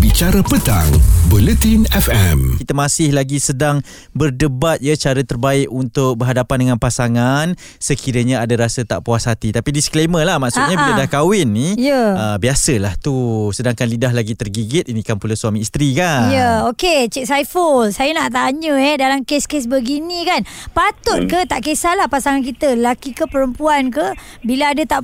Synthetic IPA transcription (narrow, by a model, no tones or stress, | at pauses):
bit͡ʃaɾapət̪a̰ŋbolət̪inɛfɛmit̪əmasɪhlaɡisədaŋ | bərdəbat̪̚jət͡ʃaɾət̪ərbaɪkunt̪ʊk̚bəɦadapandəŋanpasaŋan | səkʰiɾəɲaadaɾasət̪a̰ʔpuashat̪it̪apidiskleməlahmaʔkst̪̚ɲabilədahkawɪnːiijəəbiasəlaht̪usədaŋkanlidaɦlaɡit̪ərɡiɡɪt̪inikanpulasuamiːst̪ɾikanjəoket͡ʃɛk̚sajfəlsajənaʔt̪aɲə̃ɛdalamkeskes̬bəɡinĩkanpat̪ʊt̪̚kət̪aʔkesalahpasaŋank̬it̪ələlakikəpəɾəmpuankə | biləadat̪aʔ